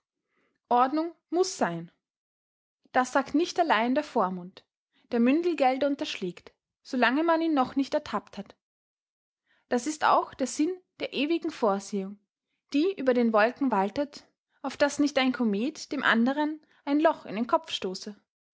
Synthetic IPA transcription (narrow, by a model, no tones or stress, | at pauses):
ʔɔɐdnʊŋ | mʊsz̥aɪn | d̥asz̥aːktnɪçtalaɪndeːɐfoːɐmʊnt | d̥eːɐmʏndl̩ɡɛldəʊntɐʃlɛːkt | z̥olaŋəmaniːnːɔχnɪçtɛɐtʰapthat | d̥asɪsta̰ʊxd̥eːɐzɪnd̥eːɐʔeːvɪɡŋ̩foːɐzeːʊŋ | d̥iːʔyːbɐɾeːnvɔlkŋ̩valtət | aʊfd̥asnɪçtaɪnkʰomeːtd̥eːmʔa̰ndəʁ̞ən | ʔaɪnlɔχɪ̰ndeɪnkʰɔpp͡fʃtoːsə